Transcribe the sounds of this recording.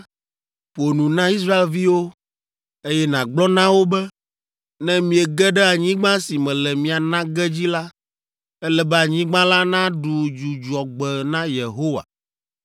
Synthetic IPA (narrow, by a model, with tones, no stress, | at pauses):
ɸo˨nũ˨nã˦i˦s̬ɾa˦e˨lvi˦wo˦ | e˦jɛ˦nã˨ɡ͡blɔ˦nã˦wo˦bɛ˦ | nɛ̃˦mĩ˨ɛ˨ɡɛ˦ɖɛ˦a˨ɲĩ˦ɡ͡bã˦si˨mɛ̃˨lɛ˨mĩ˨a˨nã˦ɡɛ˦d͡ʑi˦la˦ | ɛ˦lɛ˨bɛ˦a˨ɲĩ˦ɡ͡bã˦la˦nã˦ɖu˨d͡ʒu˨d͡ʒu˨ɔ˨ɡ͡bɛ˨nã˦je˨ɦo˦wa̰˨